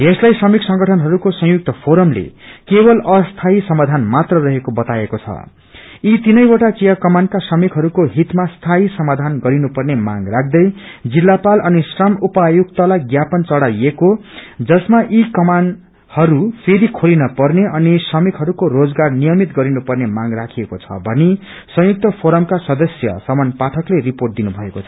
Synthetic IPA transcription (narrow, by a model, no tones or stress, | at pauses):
eslajsʌmiksʌŋɡʌʈʰʌnɦʌɾukosʌ̃ŋ̃juk̚t̪ʌpʰoɾʌmlḛkebʌlʌst̪ʰaisʌmad̪ʱanmat̪rʌrʌɦekobʌt̪aekot͡sʰʌ̰ | it̪inʌjwaʈakijʌkʌmankasʌmikʰɦʌɾukoɦit̪mast̪ʰaisʌmad̪ʱanɡʌɾinupʌrnema̰ŋɡrak̚ʰd̪ʌjd͡zilːapalʌnisrʌmupajuɡ̚t̪ʌlajɡjapʌnt͡sʌɽajekod͡zʌsmaʔikʌman | hʌɾufʰeɾikʰolinʌpʌrneʌnisʌmikʰɦʌɾukoɾod͡zɡarnijʌmit̪ɡʌɾinupʌrnemaŋrakʰiekot͡sʰʌ̰bʱʌni | sʌ̃juk̚t̪ʌpʰoɾʌmkasʌd̪ʌsjʌ̰sʌmʌnpat̪ʰʌkleriporʈ̚d̪inubʱʌekot͡sʰʌ